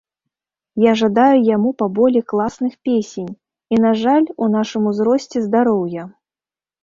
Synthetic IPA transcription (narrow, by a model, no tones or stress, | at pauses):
jaʐad̪ajujamupabɔlʲiklˠasnɨxpʲesʲenʲ | inaʐalʲunaʂɨmuzɾɔsʲt͡sʲɛzd̪aɾɔwjɐ